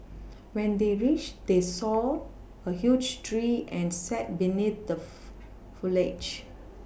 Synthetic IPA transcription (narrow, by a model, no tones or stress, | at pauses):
wɛ̃nd̪eɹit͡ʃd̪esɔ | əhjud͡ʒtʰɹiʔɛ̃nsɛt̚binit̪̚d̪ə | fuled͡ʒ